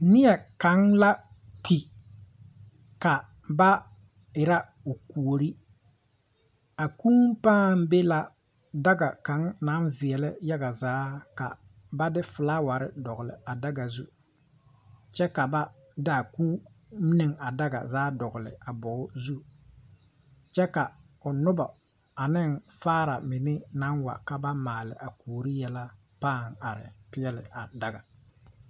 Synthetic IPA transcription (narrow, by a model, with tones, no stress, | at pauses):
nɪ˦ɛ˨ka˨˦ŋla˦ | ki˨ | ka˨ | ba˦ | ɪ˨ɾa˦ | o˨ku˨o˨ɾi˦ | a˨kuː˦m˦paː˦m˦be˦la˨ | da˦ɡa˨ka˨˦ŋna˨˦nvɪ˨ɛ˨lɪ˦ja˦ɡa˨zaː˨˦ka̰˨ | ba˦dɪ˦fʊ˨la˦wa˨ɾɪ̰˦dɔ˨ɣʊ˨lɪ̰˨a˨da˦ɡa˨zṵ˦ | t͡ʃɛ˦ka˨ba˦ | da˨ku˦ | mi˦ne˨ŋa˨da˦ɡa̰˨zaː˨˦dɔ˨ɣʊ˨lɪ̰˨a˨bɔ˨˦ʊ˦zu˦ | t͡ʃɛ˦ka˨ | ʊ˨nʊ˦ba˨ | a˨nɪ˦ŋfaː˦ɾa˨mɪ˨nɪ˦na˨˦nwa̰˨ka˦ba˦maː˨lɪ̰˨ʔa˨kuː˨ɾi˦jɛ˦la˦ | paː˦˨ŋa˨ɾɪ̰˨pɪ˦ɛ˦lɪ̰˨a˨da˦ɡa˨